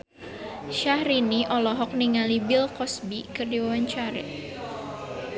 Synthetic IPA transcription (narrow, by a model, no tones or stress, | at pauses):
ʃahɾiniʔɔlɔɦɔk̚niŋalibɪlkɔsbikərdiwawaɲt͡ʃaɾa̰